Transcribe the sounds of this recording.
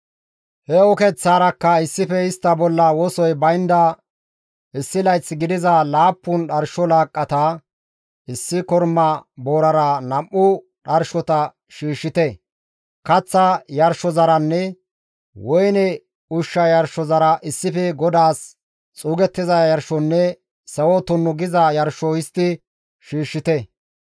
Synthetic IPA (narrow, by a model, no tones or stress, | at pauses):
hɛɔkɛt͡sːaːɾɐkːɐɪsːɪfɛɪst̪ːɐbɔlːɐwɔsɔjbɐjnd̪ɐ | ɪsːɪlɐjt͡sːɡɪd̪ɪzɐlaːpːʊnɗɐɾʃɔlaːkʼːɐt̪ɐ | ɪsːɪkɔɾmɐboːɾɐɾɐnɐmːʊ | ɗɐɾʃɔt̪ɐ | ʃiːʃːɪt̪ɛ | kɐt͡sːɐjɐɾʃɔzɐɾɐnːɛ | wɔjnɛ | ʊʃːɐjɐɾʃɔzɐɾɐʔɪsːɪfɛɡɔd̪aːs | t͡sʼuːɡɛt̪ːɪzɐjɐɾʃɔnːɛ | sɐwɔt̪ɔnːɔɡɪzɐjɐɾʃɔɪst̪ːɪ | ʃiːʃːɪt̪ɛ